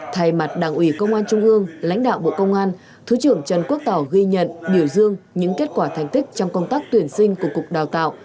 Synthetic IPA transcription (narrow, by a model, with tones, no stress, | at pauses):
t̪ʰa˨˩jma˨˩t̚ɗaː˨˩ŋʔwi˧˩kə˧wŋ͡mʔaː˧nt͡ɕʊ˧ŋ͡mʔɨ˧əŋla̰˧˥jŋ̟ɗa̰ː˧˨wɓo̰˧˨kə˧wŋ͡mʔaː˧n | t̪ʰɨ˨˦t͡ɕɨ˨˧˩əŋt͡ɕə˨˩nku˦˥ək̚t̪ɔ˧˩wɣi˧ɲə̰˧˨nɓi˧˩əwzɨ˧əŋɲɨ̰˧˥ŋke˦˥t̚kwaː˧˩t̪ʰa˨˩jŋ̟t̪ʰï˦˥k̟̚t͡ɕɔ˧wŋ͡mkə˧wŋ͡mt̪aː˦˥k̚t̪wi˨˩ənsï˧ŋ̟ku˧˩əkʊ˨˩k͡p̚ɗaː˨˩wt̪a̰ː˧˨wʔ